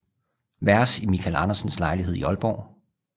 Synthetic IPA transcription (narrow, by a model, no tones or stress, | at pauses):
ʋæɐsimikʰælɑ̈nɐsnslɑ̈ɪliɦeiɒ̽lb̥ɒ̰ː